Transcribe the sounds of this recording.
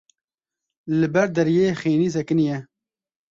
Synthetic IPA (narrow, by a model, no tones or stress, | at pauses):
lɨbɛɾd̪ɛɾijeːxeːniːs̬ɛkɨnjɛ